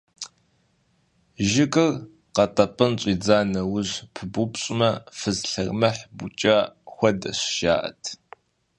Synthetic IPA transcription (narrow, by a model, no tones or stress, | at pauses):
ʒɪkʼɨr | qɐtʼɐpʼɨnɕʼiːd͡zaːnɐwʊʑpʰɨbupɕʼɪmɐfɨzɬɐrmɐħbut͡ʃʼɐxʷɐdɐɕʃa̰ːʔɐ̰tʰ